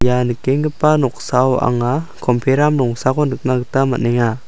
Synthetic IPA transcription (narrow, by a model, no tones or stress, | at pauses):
janɯkeŋɡɯpanɔk̚sawa̰ŋakʰɔmpʰeɾamlɔŋsakɔnɯk̚naktamanɛŋa